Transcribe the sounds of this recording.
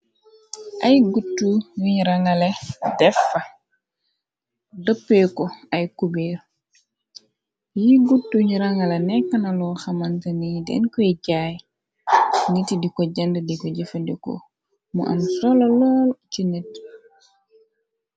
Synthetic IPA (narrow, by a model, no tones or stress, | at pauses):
ʔɐjɡutːujuɲɾaŋɐledɛfːɐ | dəpːekɔɐjkubiɾ | jiɡutːuɲɾaŋɐlenɛkːɐnɐlɔxɐmantɐnidɛ̰nkɔiɟaːj | ŋitidikɔɟɐndədikɔɟifɐdiko̰ | mṵʔɐ̰msɔlɐlɔːlt͡ʃinet̚